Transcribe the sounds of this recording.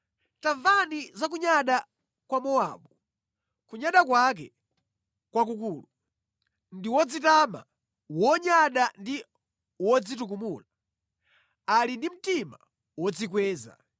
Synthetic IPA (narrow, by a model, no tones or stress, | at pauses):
taɱvanizakuɲaɗa | kwamɔa̰ːɓu | kuɲaɗakwak̬ɛ | kwakukuːlu | ndiwɔd͡zitama̰ | wɔɲaɗandi | wɔd͡zituk̬umula | alindim̩tima | wɔd͡zikwɛːza̰